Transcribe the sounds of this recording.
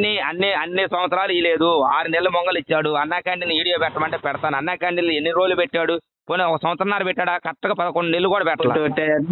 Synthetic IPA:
nːiɐnːiɐnːisɐ̃mʋɐt̪sɾaːluiːle̞ːd̪uaːɾunɛlːɐmɔŋɡɐlit͡ʃːaːɽuɐnːaːkaːɳʈilniʋiːɽijoːpɛʈːɐmɐɳʈeːpɛɽɐt̪aːnɐnːaːkaːɳɖilenːiɾo̞ːd͡ʒlːupeʈːaːɽu | poːneɔkɐsɐm̃ɐt̪sɾɐnːaːɾupɛʈːaːɽaːkɐʈːɐɡaːpɐd̪ɐkoɳɖunelːukuːɽaːpɛʈːɐla̰ʈ

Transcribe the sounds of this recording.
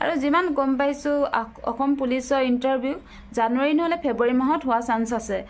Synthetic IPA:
a̰ɹuzimanɡɔmp̬ajsʊɔ̰kʰɔmpulisɔintaɹbʱju | zanuaɹinɔɦolɛpʰeboɹimaɦɔtɦoasansasɛ

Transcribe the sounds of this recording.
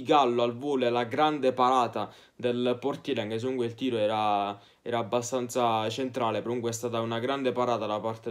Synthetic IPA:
ɡalːoalvoːlelaɡɾand̪epaɾaːt̪a | d̪elport̪ilaŋkes̬emuŋkweilt̪iːɾoɛːɾa | ɛːɾaːbːast̪ant̪sat͡ʃent̪ɾaːlepɾomuŋkweɛst̪aːt̪aunaɡɾand̪epaɾaːt̪ad̪apart̪e

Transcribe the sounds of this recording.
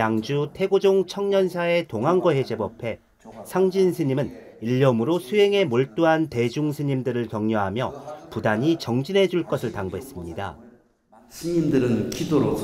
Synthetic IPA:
jaŋd͡ʑutʰe̞ɡod͡ʑoŋt͡ɕʰʌŋɲʌnsʰae̞toŋɦanɡʌɦe̞d͡ʑe̞bʌpʰe̞ | sʰaŋd͡ʑinsʰɯɲimɯn | iʎːʌmɯɾosʰuɦe̞ŋe̞moɭt͈uɦante̞d͡ʑuŋsʰɯɲimdɯɾɯɭkjʌŋɲoɦamjʌpudaɲit͡ɕʌŋd͡ʑinɦe̞d͡ʑuɭk͈ʌsʰɯɭtaŋbuɦe̞s͈ɯmɲida̰ | sʰɯɲimdɯɾɯnkʰidoɾo

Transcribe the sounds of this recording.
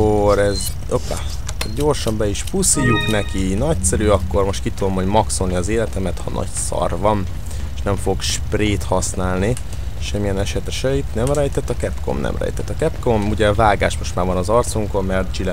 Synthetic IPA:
oɾɛz | opa̰ː | ɟo̞rʃɒmbɛiʃpusijuknɛkinɒcsɛɾyːɒkːo̞rmo̞ʃt̪kit̪ːud̪omho̞ɟmɒksonniɒzeːlɛt̪ɛmɛt̪hɒ̰nʔɒ̰csɒ̰rvɒn | eʃnɛɱfo̞ɡʃpreːt̪hɒsnaːlni | ʃɛmːijɛnɛʃɛt̪ɛʃɛit̪nɛmrɛjt̪ɛt̪ːɒkɛpko̰mnɛ̰mrɛ̰jt̪ɛt̪ːɒkɛpkomuɟɛvaːɡaːʃmo̞ʃt̪maːrvɒnɒzɒrt̪suŋkommɛrt̪̚d͡ʒilɛ

